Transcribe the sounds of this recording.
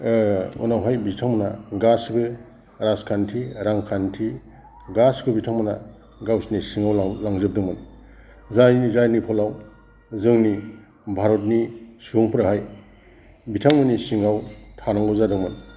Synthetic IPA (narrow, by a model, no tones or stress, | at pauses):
ṵnawɦajbitʰaŋmɯnaɡasɡɯ | ɾaskʰantʰiɾaŋkʰantʰi | ɡasɡɯbitʰaŋmɯna̰ | ɡawsnisiŋawlaŋzɯp̚dɯŋmɯn | zajnizajnipʰɔlaw | zɯŋni | bʱaɾɔt̬̚nisuŋpʰɾaɦaj | bitʰaŋmɯnisiŋawtʰanaŋɡɯzadɯŋmɯn